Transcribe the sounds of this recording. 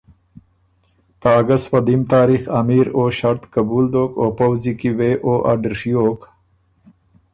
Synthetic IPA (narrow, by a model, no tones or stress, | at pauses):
t̪aːɡaswad̪imt̪ɑːɾixamiɾoːʃaɾt̪kabuld̪oːkoːpawzikiweʔoːʔaɖəɾʂijoːk